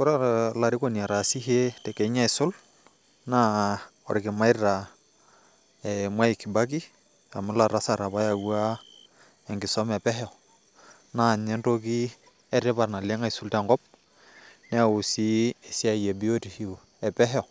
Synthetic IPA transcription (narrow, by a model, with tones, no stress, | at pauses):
kʊ˦ɾa˦la˨ɾɪ˦ko˦ni˨a˨ɾa˨si˦ɦe˦tɛ˨kɛ˨i˦ɲa˦i˨sʊ˦l | na˦ | ɔ̰˨ɾɪ˨kɪ˨ma˦ɪ˦ɾɾa˨ | ɛmwa˦i˨kːi˨ba˦k̬i˦ | a˨mʊ˦la˨ɾa˦sa˨ɾa˨ba˦ja˨ɡwa˦ | ɛ˨ŋɡɪ˨sɔ˦mɛ˨pɛ˦ɦɛɔ˨ | na˦˨ɲɛ˦nto˦ki˦ | ɛ˦ɾɛ˦pa˨ɾna˨le˦ŋa˦i˨sʊ˦ltɛ˨ŋɡɔ˦p̚ | nɛ˦˨ʊ˨si˦ɛ˨si˦a˦˨jɛ˨bi˦o˦ti˨hi˨ | ɛ˨pɛ˦ɦɛɔ˨